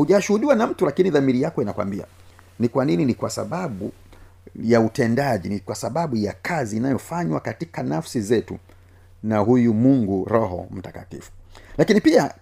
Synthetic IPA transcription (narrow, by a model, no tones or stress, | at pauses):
huʄaʃuhuɗiwanam̩tulakiniðamiɾijakɔinakwa̰mbia̰ | nikwanininikwasa̰ɓaɓu | jautɛndaʄinikwasaɓaɓujakʰaziːnajɔfaɲwakatikanafsizɛtṵ | naɦujumuŋɡuɾɔɦɔ̰m̩taka̰tḭfu̥lakinipia